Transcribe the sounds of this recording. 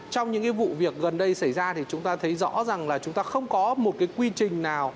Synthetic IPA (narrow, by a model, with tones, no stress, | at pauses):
t͡ɕɔ˧wŋ͡mɲɨ̰˧˥ŋkaː˨˦vṵ˧˨vi˨˩ək̚ɣə˨˩nɗə˧jsə˧˩jzaː˧t̪ʰi˨˩t͡ɕʊ˨˦ŋ͡mt̪aː˧t̪ʰə˨˦jzɔ̰˧˥za˨˩ŋlaː˨˩t͡ɕʊ˨˦ŋ͡mt̪aː˧xə˧wŋ͡mkɔ˨˦mo˨˩t̚kaː˨˦jkwi˧t͡ɕï˨˩ŋ̟naː˨˩w